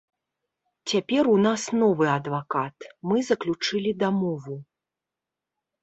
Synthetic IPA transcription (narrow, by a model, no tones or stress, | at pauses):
t͡sʲapʲɛɾunasnɔvɨɐd̪vakat̪mɨzɐklʲut͡ʂɨlʲid̪amɔvu